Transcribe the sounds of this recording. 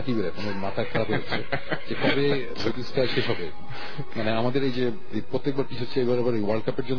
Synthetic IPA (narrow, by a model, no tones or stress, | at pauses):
akibeɾekonemat̪ʰakʰaɾapɦooe | d͡ʑekɔbe | bot̪isʈʰaʃeʃɔbe | maneamad̪eɾejd͡ʑe | epɾot̪ːek̚baɾpit͡ɕʰotːʰeebaɾɛbaɾojwaɾlɖ̚kapeɾd͡ʑon